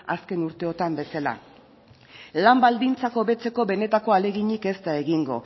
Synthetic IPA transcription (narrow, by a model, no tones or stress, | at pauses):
a̰ske̞nuɾt̪e̞o̞t̪ambe̞sala̰ | lambald̪int͡sako̞βe̞t͡se̞ko̞βe̞ne̞t̪ako̞ale̞ɣiɲike̞st̪ae̞ɣiŋɡo̞̰